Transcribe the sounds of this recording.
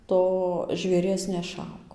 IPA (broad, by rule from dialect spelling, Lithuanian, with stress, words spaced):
ˈtoː ʒʲʋʲeːˈrʲiɛs nʲɛˈʃɐʊk